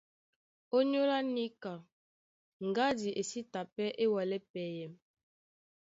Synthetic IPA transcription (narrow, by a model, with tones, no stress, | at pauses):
o˦ɲo˦la˦ni˦ka˨ | ŋ̩˨ɡa˦di˨ʔe˨si˦ta˨pɛ˦ʔe˦wɔ˨lɛ˦pɛ˨jɛ˨m